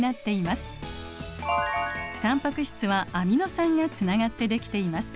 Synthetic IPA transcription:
nat̪ːe̞imasɨ̥ | t̪ãmpakɯ̟ɕi̥t͡sɨβaːmʲino̞sãŋɡat͡sɨnaɡat̪ːe̞d̪e̞kʲi̥t̪e̞imasɨ̥

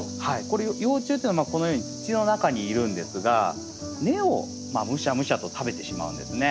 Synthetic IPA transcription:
haiko̞ɾejojo̞ːt͡ɕɨːt̪eiːnamako̞no̞jo̞ːɲ̟it͡si̥t͡ɕino̞nakaɲ̟iːɾɯ̟̃nd̪e̞sɨɡa̰ | ne̞o̞̰ | maːmɯ̟ɕamɯ̟ɕat̪o̞t̪ʰabe̞t̪e̞ɕima̰ɯ̟̃nd̪e̞sɨne̞

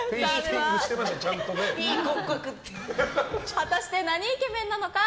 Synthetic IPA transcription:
eskekɯɕi̥t̪emaɕat͡ɕãnt̪od̪eĩkõkokɯ̟t̪ːe | hat̪aɕi̥t̪e̞naɲ̟iːke̞mẽ̞nːano̞ka

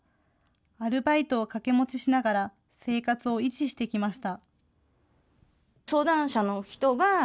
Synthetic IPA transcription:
aɾɯ̟bait̪o̞ːkake̞mo̞t͡ɕiɕinaɡaɾa | se̞ːkat͡sɨo̞it͡ɕiɕi̥t̪e̞kʲimaɕi̥t̪a | so̞ːd̪ãɰ̃ɕano̞çi̥t̪o̞ɡa

